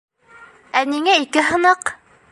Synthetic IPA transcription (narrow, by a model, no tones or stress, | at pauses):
æniŋæikɘɦɤ̆nɤq